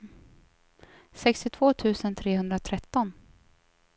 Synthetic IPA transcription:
sɛkst̪ɪt̪ʰv̥oːt̪ʰʉ̟ːsənt̪ʰɾeːɦɵnd̪ɾat̪ʰɾɛt̪ːɔn

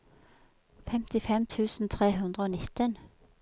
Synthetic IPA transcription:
fɛmt̪ɪfɛmt̪ʰʉːsn̩t̪ʰʁeːhʉnd̪ʁəoːnɪt̪ən

